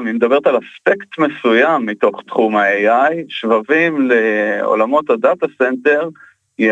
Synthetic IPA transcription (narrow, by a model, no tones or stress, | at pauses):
mimed̪abe̞ʁt̪alaspekt̪me̞sujamːit̪o̞χt̪χumaejajʃvavimleo̰lamo̞t̪had̪at̪asent̪e̞ʁ | je